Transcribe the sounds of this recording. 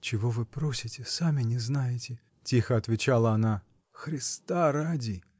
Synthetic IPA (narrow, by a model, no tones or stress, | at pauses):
t͡ɕɪvo̞vɨpɾo̞sʲɪtʲɪsamʲɪnʲɪznajɪtʲɪ | tʲixəɐt̪vʲɪt͡ɕalˠəɐna | xɾʲɪst̪aɾadʲi